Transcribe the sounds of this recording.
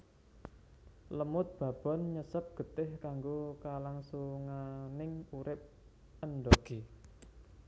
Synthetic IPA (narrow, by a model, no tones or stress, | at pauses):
ləmʊt̪̚b̥a̤b̥ɔ̤nɲəsəp̚ɡ̥ə̤t̪ɪhkaŋɡokalaŋsuŋanɪŋuɾɪp̚ | ənɖ̪ɔɡ̥e